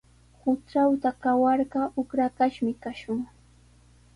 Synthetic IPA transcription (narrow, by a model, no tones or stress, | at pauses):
hʊt͡ʃawt̪akawɑɾɢɑʊkɾakaʃmɪkaʃʊŋ